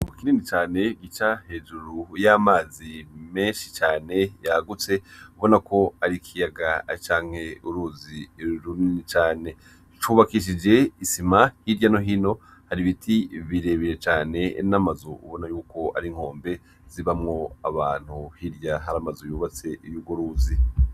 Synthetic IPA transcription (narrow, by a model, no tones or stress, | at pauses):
ukininit͡ʃaːne̞ɡit͡ʃahe̞ːʒuɾujaːmaːzime̞ːnʃit͡ʃaːne̞jaɡut͡se̞uβo̞nakʰo̞aɾikʰijaɡat͡ʃaːŋ̥he̞uɾuziɾuninit͡ʃaːne̞ | t͡ʃuβakiʃ̬id͡ʒe̞isimahiɾjano̞ɦino̞ | haɾiβitʰiβiɾe̞βiɾe̞t͡ʃaːne̞namazoṵβo̞najuːko̞a̰ɾiŋ̥o̞ːmbe̞ | ziβamŋo̞aβaːn̥huhiɾjaɦaɾamazojuːβat͡se̞ijuɡoɾuːzi